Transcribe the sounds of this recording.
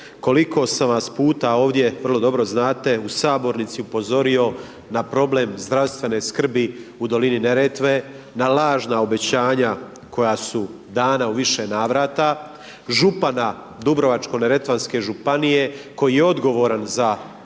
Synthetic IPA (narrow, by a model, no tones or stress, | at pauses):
ko̞likʰo̞samʋaspuːt̪ao̞ːʋd̪je̞ʋr̩lˠo̞d̪o̞bɾo̞znaːt̪e̞usaːbo̞ɾnit̪siupo̞zo̞ɾio̞ | napɾo̞ble̞ːmzd̪ɾawst̪ʋe̞ne̞ːskr̩biud̪o̞linine̞ɾet̪ʋe | nalaːʒnao̞be̞t͡ɕaːɲa | ko̞jaːsu | d̪aːnauʋiʃe̞naːʋɾaːt̪a | ʒupana | d̪ubɾo̞ʋat͡ʃko̞ne̞ɾe̞t̪ʋanske̞ʒupanije̞ko̞jijeo̞d̪ɡo̞ʋo̞ɾanza